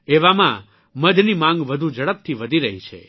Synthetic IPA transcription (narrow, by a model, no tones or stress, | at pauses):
eʋamã | məd̪ʱnimãŋɡʋəd̪ʱud͡ʒəɭəp̚t̪ʰiʋəd̪ʱiɾəɦit͡ʃʰḛ